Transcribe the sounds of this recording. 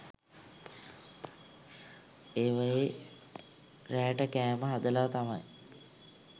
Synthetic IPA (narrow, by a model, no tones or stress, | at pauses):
eːʋaje | ræːʈəkæːməɦad̪əlat̪amaj